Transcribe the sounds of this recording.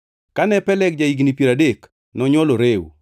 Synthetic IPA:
kanɛpɛlɛk̚d͡ʒaiɡnipjeɾadek | nɔɲwɔloɾew

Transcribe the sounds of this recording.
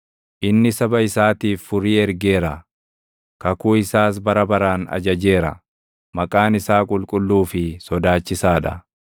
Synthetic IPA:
ʔɪnːɪsɐbɐɪsaːt̪iːfːʊɾiːɛɾɡe̞ːɾɐ | kɐkuːɪsaːs̬bɐɾɐbɐɾaːnɐ̰d͡ʒɐd͡ʒe̞ːɾɐ̰ | mɐkʼaːnɪsaːkʼʊlkʼʊlːuːfɪsɔd̪aːt͡ʃːɪsaːᶑɐ

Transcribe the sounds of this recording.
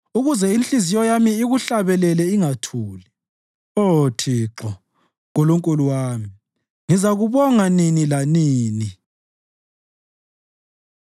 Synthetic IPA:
uɣuzɛinɬizijɔjamiːɣuɬaβɛlɛlɛiŋatʰuːli | otʰiːǁɔ | ŋoluŋkʼuluwaːmi | ŋizaɣuβɔŋaninilaniːni

